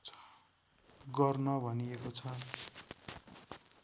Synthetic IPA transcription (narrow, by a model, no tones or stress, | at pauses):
ɡʌrnʌbʱʌniekot͡sʰʌ